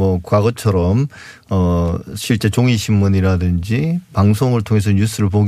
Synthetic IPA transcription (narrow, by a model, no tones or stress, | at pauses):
ʌkwaɡʌt͡ɕʰʌɾʌm | ʌɕʰiɭt͡ɕ͈e̞t͡ɕoŋiɕʰimːuɲiɾadɯnd͡ʑipaŋsʰoŋɯɭtʰoŋe̞s̬ʰʌɲus͈ʰɯɾɯɭp̬oɡ